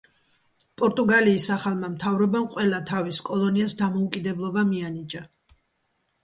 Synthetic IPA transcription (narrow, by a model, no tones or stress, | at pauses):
pʼɔɾt̪ʼuɡaliːsaχalˠmamt̪ʰavɾɔbamqʼwɛlˠat̪ʰaviskʼɔlˠɔniasd̪amɔukʼid̪ɛblˠɔbamianid͡ʒa